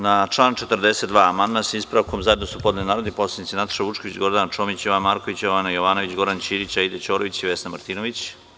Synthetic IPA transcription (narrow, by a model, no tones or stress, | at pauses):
naʈ͡ʂlˠaːnt͡ʃet̪əɾd̪eset̪d̪ʋaːamand̪masaispɾaʋko̞mzae̞d̪nosupo̞d̪nenaːɾod̪iposlˠed̪it̪sinat̪ḁʃaʋut͡ʂkoʋit͡ɕɡo̞ɾd̪ant͡ʃo̞ːmit͡ɕjoʋanmaːɾko̞ʋit͡ɕjoʋanajo̞ʋanoʋit͡ɕɡo̞ɾdant͡ɕiːɾit͡ɕaid̪et͡ɕoːɾoʋit͡ɕiʋesnamaɾt̪inoʋit͡ɕ